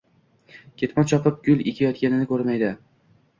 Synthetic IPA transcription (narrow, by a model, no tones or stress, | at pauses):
kʲʰe̞t̪mɒnt͡ʃʰɒpʰɪp̚ɡʲʊlʲˠekʲʰajɒt̪̚kʲanɪnɪkʰɵɾmajd̪ɪ